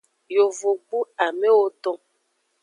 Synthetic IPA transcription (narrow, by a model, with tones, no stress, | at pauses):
jo˨vo˨ɡ͡bu˦a˨me˦wo˦t̪ɔ̃˦